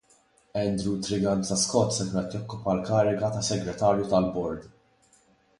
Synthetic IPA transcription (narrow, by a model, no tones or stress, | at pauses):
ɛnd̪ɾut̪ɾɪɡɐnsɐskɔt̪ːsɛk̪mɛt̪ːjɔkːʊpɐlkɐːɾɛɡɐt̪ɐsːɛɡɾɛt̪ɐːɾjut̪ɐlbɔɾd̪